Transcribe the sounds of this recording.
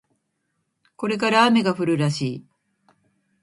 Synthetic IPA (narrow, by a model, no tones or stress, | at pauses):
ko̞ɾe̞k̬aɾaːme̞ɡaɸɯ̟ɾɯɾaɕiː